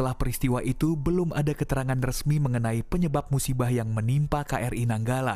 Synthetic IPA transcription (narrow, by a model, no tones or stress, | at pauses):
əlahpəɾist̪iwaʔit̪ubəlʊma̰dakət̪əɾaŋanrəsmiməŋənaipəɲəbap̚musibahjaŋmənimpakaʔɛrʔinaŋɡala̰